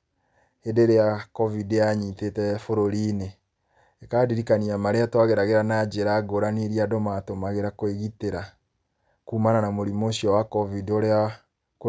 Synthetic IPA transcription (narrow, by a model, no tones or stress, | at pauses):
endeɾeakɔvidaɲitetɛfoɾoɾiːne | ekaːdiɾikaniamaɾeatwaɣeɾaɣeɾanad͡ʒeɾaɡoɾaniɾiadomatomaɣeɾakoeɣiteɾa | kuːmananamoɾimoɕiɔwakɔvidoɾea | k